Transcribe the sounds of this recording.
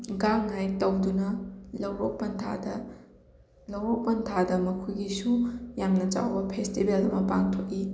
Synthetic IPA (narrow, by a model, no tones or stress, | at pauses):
ɡaŋɦajtɐwdunɐlɐwɾok̚pɐntʰa̰dɐ | lɐwɾok̚pɐntʰadɐmɐkʰujɡisujamnɐt͡ʃa̰wbɐpʰestibelɐmɐpaŋtʰokːi